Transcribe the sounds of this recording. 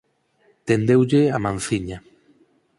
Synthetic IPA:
t̪end̪ewʎeamãnθiɲa

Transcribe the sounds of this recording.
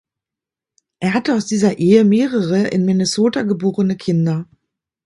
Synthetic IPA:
ʔeːɐhatəaʊsd̥iːzɐʔeːəmeːʁəʁəʔɪ̰nmɪnesoːtaɡəboːʁənəkʰɪndɐ

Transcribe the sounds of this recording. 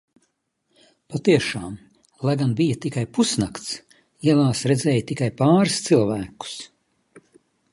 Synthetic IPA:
pat̪iɛʃaːm | lˠajɡanbijɐt̪ikajpusnakt̪s | iɛlˠaːsɾɛdzɛːjt̪ikajpaːɾst̪silˠvæːku̥s

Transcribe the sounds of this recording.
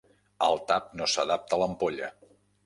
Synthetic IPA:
əlˠt̪ap̚nosəðap̚t̪ələmpoʎə̰

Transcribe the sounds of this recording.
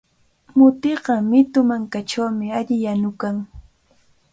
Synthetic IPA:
mʊt̪ɪɢɑmɪt̪ʊmaŋkaʈ͡ʂawmɪaʎɪjanʊkaŋ

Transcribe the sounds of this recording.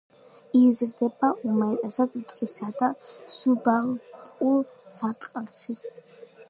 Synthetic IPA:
izɾd̪ɛbaumat̪ʼazad̪ut̪ʼqʼisad̪asubalpʼkʼulsaɾt̪ʼqʼɛlʃʰi

